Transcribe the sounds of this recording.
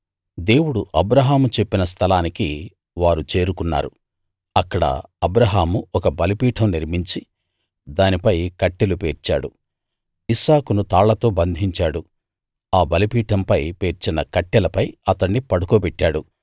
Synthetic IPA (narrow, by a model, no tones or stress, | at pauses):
d̪e̞ːwuɽuʔɐbɾɐɦaːmut͡ʃepːinɐs̬t̪ʰɐlaːniki | ʋaːɾut͡ʃe̞ːɾukunːa̰ːɾu | ɐkːɐɽɐ̰ɐbɾɐɦaːmuɔkɐbɐlipiːʈʰɐmniɾmiɲt͡ʃi | d̪aːnipɐjkɐʈːilupeːɾt͡ʃa̰ːɽu | isaːkunut̪aːɭːɐt̪o̞ːbɐnd̪ʱiɲt͡ʃaːɽu | aːbɐlipiːʈʰɐmpɐjpeːɾt͡ʃinɐkɐʈːɛlɐpɐjɐt̪ɐɳːipɐɽukupɛʈːaːɽu